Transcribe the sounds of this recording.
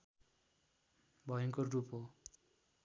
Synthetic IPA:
bʱʌjʌŋkorupɦo

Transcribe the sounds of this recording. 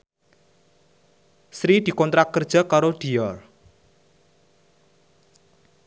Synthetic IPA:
sɾid̪̥i̤kɔnt̪ɾakərd̥ʒ̥a̤kaɾoɖ̥i̤jɔr

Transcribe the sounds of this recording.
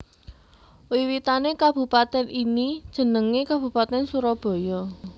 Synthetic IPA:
wiwit̪anekab̥ṳpat̪ɛnʔinid̥ʒ̥ə̤nəŋekab̥ṳpat̪ɛnsuɾɔb̥ɔ̤jɔ

